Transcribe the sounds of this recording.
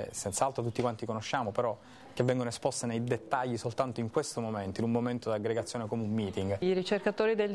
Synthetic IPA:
sɛnt̪saalt̪ɾot̪ut̪ːikwant̪ikonoʃːaːmopeɾɔ | k̟evːɛŋɡonoespɔst̪enejd̪et̪ːaʎːisolt̪ant̪oiŋkwest̪omoment̪oinummoment̪od̪iaɡɾeɡat̪sːjoːnekomeumːiːt̪iŋɡiɾit͡ʃerkat̪oːɾid̪el

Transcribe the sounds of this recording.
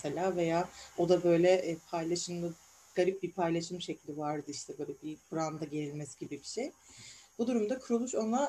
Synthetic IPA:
selʲaːve̞jaːo̞d̪abø̞jlʲɛʔpʰajlˠaʃɯmlˠɯ | ɡ̥aɾip̚bipʰajlˠaʃɯmʃecʰilʲd̪ivaɾd̪ɯiʃt̪ʰɛbø̞ːlʲɛbibɯɾand̪aɟe̞ɾilʲmɛsɟibibiʃejb̥ud̪uɾumd̪akʰuɾulˠuʃo̞nlˠa

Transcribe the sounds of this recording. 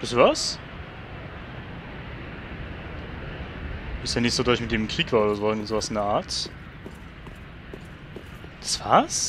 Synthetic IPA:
v̥ɪstuvas | b̥ɪstaːnɪçz̥oːdɔɐɪçmɪt̚d̥eːmkʁ̥iːkv̥aːoːdɐzoːŋzoːvasɪndɛɐʔaːɐt | d̥ḁsv̥aːs

